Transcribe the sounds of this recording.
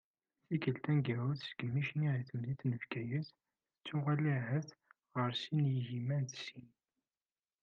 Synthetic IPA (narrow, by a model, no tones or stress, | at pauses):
θikəlt̪ænɡæuθsɡəmiʃniʁiθəmðiθnəfkæjəθ | θət͡sːʊʁæliɦəθ | ʁəɾsinjəʝimænt̪sin